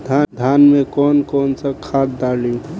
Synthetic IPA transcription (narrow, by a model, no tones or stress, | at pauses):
d̪ʱad̪ʱanmekɔːnkɔːnsəkʰatd̪aliũ